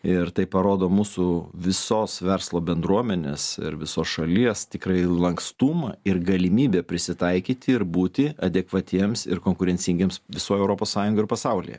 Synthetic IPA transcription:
ɪɾt̪ɐɪpːɐɾoːd̪oːmuːsʊʋʲɪsoːsʋʲɛɾslˠoːbʲɛnd̪ɾuɔmʲɛnʲeːsɪ̰ɾʋʲɪsoːsʃɐlʲiɛst̪ʲɪkɾɐɪlˠɐŋkst̪uːmɐɪɾɡɐlʲɪmʲiːbʲepʲɾʲɪsʲɪt̪ɐɪkʲiːt̪ʲɪɪɾbuːt̪ʲɪɐd̪ʲɛkʋɐt̪ʲiɛmsɪ̰ɾkoːŋkʊɾʲɛnʲt͡s̪ʲɪŋɡʲeːmsʋʲɪsoːjɛʊɾoːpoːssɑːjʊŋɡoːɪɾpɐsɐʊlʲḭjɛ̰

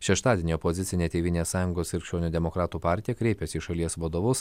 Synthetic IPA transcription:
ʃʲɛʃt̪ɑːd̪ʲiɛnʲiːɔpozʲɪt̪sʲɪnʲeːt̪ʲeːʋʲɪnʲeːssɑːjʊŋɡoːsʋʲɪɾʲkʃʲt͡ʃʲoːnʲuːd̪ʲɛmɔkɾɑːt̪uːpɑˑɾʲt̪ʲijɛkɾʲɛɪpʲesʲiːʃɐlʲiɛsʋɐd̪oʋʊs

